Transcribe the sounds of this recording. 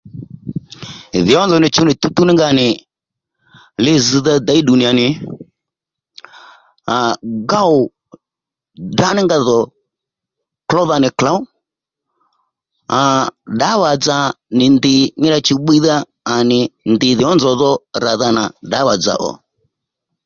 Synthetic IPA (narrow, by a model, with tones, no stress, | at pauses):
ðɪ˨ɔ˦nd͡zɔ˨nɪ˨t͡ʃu˦nɪ˨t̪u˦t̪u˦nɪ˦ŋɡa˧˨nɪ˨ | lɪ˦zɨ˧ða˦da˨˦i˦ɗu˨ni˨a˨nɪ˨ | a˨ɡa˦ʊ˨ | da˦nɪ˦ŋɡa˧ðɔ˨ | klɔ˦ða˧nɪ˨kla˨˦ʊ˦ | a˨ɗa˨˦wa˨d͡za˧nɪ˨nd̪ɪ˨ɲɪ˦ɾa˧t͡ʃu˧ɓi˦ðaː˦˨ | nɪ˨nd̪ɪ˨ðɪ˨ɔ˦nzɔ˨ðɔ˦ɾa˨ða˧na˨ɖa˨˦wa˨d͡za̰˨ʔɔ̰˨